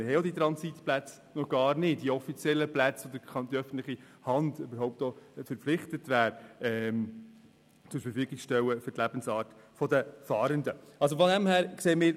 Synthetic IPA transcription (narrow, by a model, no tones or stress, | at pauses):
mɪɾɦɛɪjɔdit̪ɾɑnsit̪plæt͡s | nɔɡ̥ɑːɾnɪːt̚d̥iɔfit͡sjɛlːəplæt͡sod̪əχɑnd̥̪iœfən̩t̪lɪχi | hɑndøbəɾɦɔʊp̚tofɛɾpp͡flɪχtətʋæːɾɛm | susfəfyːɡikʃtɛwəfʏrtlæb̥ən̩sɑːɾtfɔdəfɑːɾəndəɑls̬ofɔdæmhæːɾksɛːəmɪːɾ